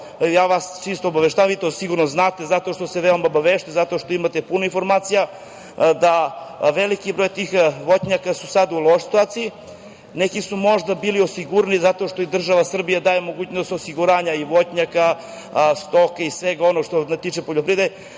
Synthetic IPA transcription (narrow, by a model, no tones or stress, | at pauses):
jaːʋast͡ʃist̪oobaʋeʃt̪amʋit̪osiɡuɾnoznaːt̪e̞zat̪o̞ʃt̪o̞seʋeomaobaʋeʃt̪ujzat̪o̞ʃt̪o̞imat̪epunoinfo̞ɾmaːt̪sija | d̪aʋelikibɾo̞ːjt̪ixʋoɲakasusad̪ulˠoʃsit̪uaːt̪siji | nekisumo̞ʒd̪abiːliosiɡuɾanizat̪o̞ʃt̪o̞id̪r̩ʒaʋasr̩bijad̪aːjemo̞ɡuːt͡ɕno̞st̪osiɡuɾaːɲaiʋo̞tɲaka | st̪o̞kaisʋeɡao̞noɡʃt̪onat̪iːt͡ʃepo̞ʎopɾid̪eje